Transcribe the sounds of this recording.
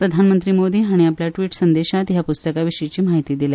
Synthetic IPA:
pɾəd̪ʱanmənt̪ɾiːmod̪iːɦaɽ̃iapljaʈʋiːʈsənd̪eɕat̪ɦjapust̪əkaʋiʂəit͡ɕiːmaɦit̪iːd̪ila

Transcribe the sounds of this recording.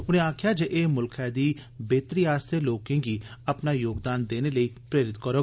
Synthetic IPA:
ʊnẽːaːkʰjaːd͡ʒeʔeːmʊlkʰɛːd̪iːbeːt̪ɾiːaːst̪ʰeloːkẽːɡiːɐpnaːjoːɡd̪aːnd̪eːneləipɾeːɾɪt̪kəɾoː

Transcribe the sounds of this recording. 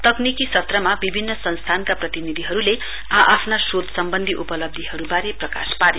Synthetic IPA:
t̪ʌknikisʌt̪rʌmabibʱinːʌsʌnst̪ʰankaprʌt̪inid̪ʱiɦʌɾule | ãʔapʰnasod̪sʌmbʌnd̪ʱiʔupʌlʌb̚d̪ʱiɦʌɾubaɾeprʌka̰spaɾi

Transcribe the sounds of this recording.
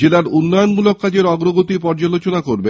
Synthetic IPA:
elaɾunːɔjonmulokːad͡ʑeɾɔɡɾoɡot̪ipɔɾd͡ʑalot͡ɕonakoɾbe

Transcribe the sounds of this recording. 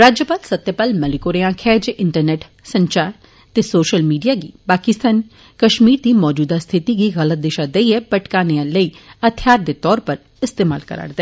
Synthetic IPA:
ɾaːd͡ʒjəpaːd̪sət̪ːjəpaːlməlɪkoːɾijãːkʰɛːd͡ʒɪɳʈəɾnɛːʈ | sə̃ɲt͡ʃaːɾ | t̪eːsoːʃəlmiːɖijaːɡḭːpaːkɪst̪ʰaːn | kəʃmiːɾd̪iːmɔːd͡ʒuːd̪aːst̪ʰɪt̪iɡiːɣələt̪̚d̪ɪʃaːd̪eiɛpəʈkaːneãːləiːət̪ʰjaːɾd̪eːt̪ɔːɾpəɾ | ɪst̪eːma̰ːlkə̰ɾa̰ɽd̪eː

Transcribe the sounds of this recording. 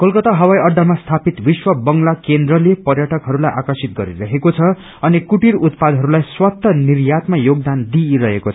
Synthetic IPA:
kʌlkʌt̪aɦʌwajʌɖ̪ʱamast̪ʰapit̪biswʌbʌŋlakend̪rʌlepʌrjaʈʌkɦʌɾulajʔakʌsit̪̚ɡʌ̰ɾḭɾʌɦekot͡sʰʌ | ʌnikuʈiɾut̪pad̪ɦʌɾulajswʌt̪ːʌnirjat̪majoɡd̪and̪iɾʌɦekot͡sʰʌ

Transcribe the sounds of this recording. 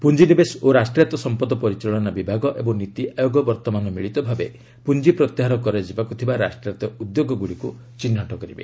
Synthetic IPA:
pund͡ʒinibesoɾasʈɾjat̪ɔsɔmpɔd̪ɔpɔɾit͡ʃɔɭɔnabibʱaɡɔʔebɔŋnit̪iʔajoɡɔbɔɾt̪ɔmanɔmiɭit̪ɔbʱabe | pund͡ʒipɾɔt̪jeɦaɾɔkɔɾed͡ʒibakut̪ʰibaɾa̰sʈɾijat̪ɔud̪joɡɔɡuɽiku | t͡ʃinːaʈɔkɔɾibḛ

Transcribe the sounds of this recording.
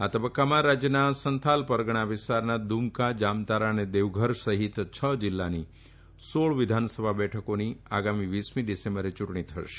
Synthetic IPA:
at̪əbəkːamãɾad͡ʒjənasənt̪ʰalpəɾɡɳ̃aʋɪst̪aɾnad̪umkad͡ʒamt̪aɾəned̪eʋɡʱəɾsəɦit̪t͡ʃʰəd͡ʒɪlːani | soɭʋɪd̪ʱansəbʱabɛʈʰəkoniaɡamiʋismiɖisẽmbəɾet͡ʃʊʈɳ̃it̪ʰəʃe̥

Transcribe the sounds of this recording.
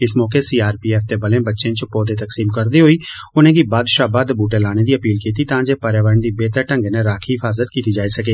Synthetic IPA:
ɪsmɔːkeːsiːaːɾpiːɛːfʰt̪eːbəlẽːbətːʃẽːt͡ʃpɔːd̪eːt̪əksiːmkəɾd̪iːɦoːiː | ʊnẽːɡiːbaːd̪ʃaːbaːd̪buːʈeːlaːñeːd̪iːəpiːlkiːt̪iːt̪ãːd͡ʒeːpəɾeːʋəɾənd̪iːbeːt̪əʈə̃ŋɡnẽːɾaːkʰiːɦɪfʰaːzət̪kiːt̪iːd͡ʒaːisəkeː

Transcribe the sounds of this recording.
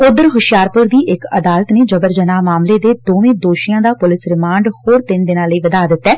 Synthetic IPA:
ʊd̪əɾɦʊʃɪjaːɾpʊɾd̪iːʔɪkəd̪aːlət̪neːd͡ʒəbəɾd͡ʒənaːmaːmleːd̪eːd̪oːʋẽːd̪oːʃɪjãːd̪aːpʊlɪsɾɪmãːɳɖhoːɾt̪ɪnd̪ɪnãːləiːʋəd̪aːd̪ɪt̪ːɛː

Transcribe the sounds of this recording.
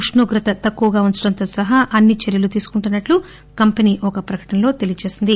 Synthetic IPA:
uʂɳoːɡɾɐt̪ɐt̪ɐkːuʋɐɡaːunt͡ʃɐɽɐnt̪o̞ːsɐɦaʔɐnːit͡ʃeɾjɐlut̪iːsu̥kuɳʈunːɐʈlu | kɐmpɐniːʔɔkɐpɾɐkɐ̥ʈɐnɐlo̞ːt̪e̞lijɐt͡ʃe̞ːsind̪i

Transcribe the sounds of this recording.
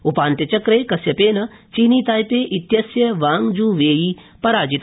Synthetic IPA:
upaːnt̪jɐt͡ʃɐkɾeːkɐsjɐpeːnɐt͡ʃiːniːt̪aːjpeːʔit̪jɐsjɐʋaːŋd͡ʒuːʋeːji | pɐɾaːd͡ʒit̪

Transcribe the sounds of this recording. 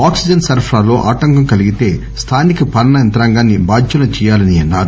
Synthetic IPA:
aːksid͡ʒɐnsɐɾpʰɾaːlo̞ːʔaːʈɐŋkɐmkɐliɡit̪e̞ː | st̪ʰaːnikɐpɐɾɐnɐɛnt̪ɐɾaːŋɡaːnːibaːd͡ʒʱjɐnɐt͡ʃɛːjaːlɐniɐnːaːɾu

